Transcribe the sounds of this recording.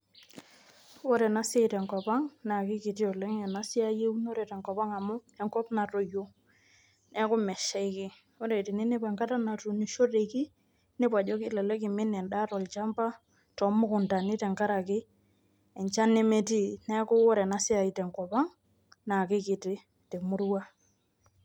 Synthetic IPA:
wɔ˦ɾɛ˨na˦se˦˨tɛ˨ŋkɔ˨pa˦ŋna˨kɪ˦kɪ˨ti˦ɔ˨lɛ˦ŋɛ˨na˦sɪ˦a˦je˦u˦no˦ɾe˨tɛ˨ŋkɔ˨pa˦ŋa˨mʊ˦ɛ˨ŋkɔ˦pna˨tɔ˨jo˦ | nɛ˦kʊ˦mɛ˨ʃɛ˦ɪ˦kɪ˦ | wɔ˦ɾe˨tɪ˨nɪ˦nɪ˦pɛ˨ŋka˦ta˦na˨tu˨ni˨ʃo˦re˨ki˦ | nɪ˦pa˨d͡ʒɔ˦kɪ˦lɛ˨lɛ˦kɪ˨mɪ˦nɛ˨nda˦tɔ˨lt͡ʃa˦mba˦ | tɔ˨mʊ˦kʊ˨nta˨nɪ˦tɛ˨ŋka˦ɾa˨kɪ˦ | ɛ˨ɲt͡ʃa˦ne˦me˦ti˦nɛ˦kʊ˦ɔ˦ɾɛ˨na˨˦sɪ˦a˨i˨tɛ˨ŋkɔ˨pa˦ŋ | na˨kɪ˦kɪ˨tɪ˦ | tɛ˨mʊ˦rwa˦

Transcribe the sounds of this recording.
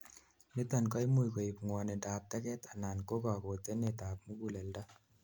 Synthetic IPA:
ne˦ta˨nkɔ˦jmu˨jko˨i˨pŋwɔ˨ne˨daː˨p̚tɛ˦kɛ˦t̪a˨na˨nko˦ka˨ko˨t̪e˦ne˨ta˨p̚mu˦ɡu˨le˨lda˦

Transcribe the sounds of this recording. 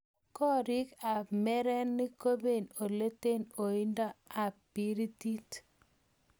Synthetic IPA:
kɔ˦ɾɪ˦ka˨mɛ˦ɾɛ˦nːi˦ko˦be˨no˨le˦te˦no˨i˦nda˦a˨pi˨˦ɾi˦ti˦t

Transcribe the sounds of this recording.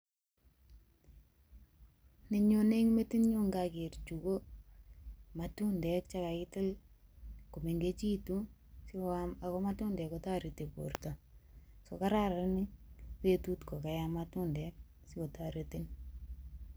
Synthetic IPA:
ne˨ɲo˨ne˦ŋme˦ti˦nɲo˦ŋɡakɪ˨rt͡ʃu˨ko˦ | ma˨tu˦ndɛ˨kt͡ʃa˦ka˨ɪtɪ˦l | ko˨me˨ŋɡe˦t͡ʃi˦tu˦ | si˦a˨kɔ˦ma˦tu˦ndɛ˨kɔta˦ɾite˨po̰˨rta˨so̰˨ka˦ɾa˦ɾanɪ˦we˦tutko˨ka˨jamatu˦ndɛk̚ | sɪ˦ko˨taɾetin

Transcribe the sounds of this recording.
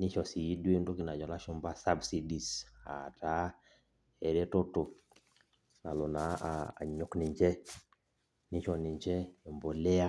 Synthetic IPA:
nɪ˦t͡ʃɔ˨si˨i˦dwe˦nto˦kɪ˨na˨d͡ʒɔ˨la˦ʃʊ˦mba˦sa˦bsi˦di˨sa̰˨tʰa˦ | ɛ˨ɾɛ˦to˦tʊ˨ | na˨lo˨na̰ː˨ɲʊ˨knɪ˨ɲd͡ʒɛ˦ | nɪ˦t͡ʃɔ˨nɪ˨ɲd͡ʒɛ˦e˨mbo˨lɛ˦a˦

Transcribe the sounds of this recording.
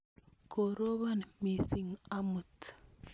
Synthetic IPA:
ko˨ɾo˦βa˦nmi˨si˦ŋamut

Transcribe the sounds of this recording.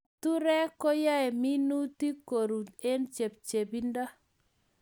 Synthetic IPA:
tu˦ɾɛ˦kɔ˦ja˦ɛ˨mi˦nu˦ti˦ko˨ɾu˨e˦nt͡ʃe˨p̚t͡ʃe˨bi˦nda˦

